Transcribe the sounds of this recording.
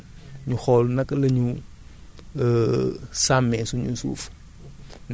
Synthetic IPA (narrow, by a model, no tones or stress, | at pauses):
ɲuxɔlnɐklɐɲu | samɛsuɲṵsṵːf | n